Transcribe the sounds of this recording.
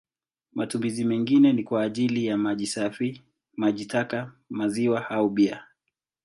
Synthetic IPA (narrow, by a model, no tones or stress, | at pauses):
mʔatumizimɛŋɡinɛnikwaːʄilijamaisafi | maʄitaka | maziwahauɓia